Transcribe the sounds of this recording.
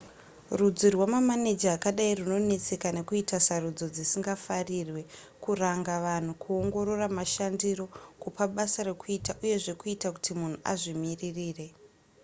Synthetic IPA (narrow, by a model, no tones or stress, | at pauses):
rud͡zirwamamane̞d͡ʒaːkaɗairuno̞ne̞t͡se̞kane̞kuitasarud͡zo̞d͡zisiŋɡafarirwe̞ | kuraŋɡaʋan̤ukuo̞ŋɡo̞ɾo̞ramaʃandiro̞kupaɓasaɾe̞kuitaʔuje̞ʐe̞kuitaku̥timun̤uʔa̰ʐimiririːre̞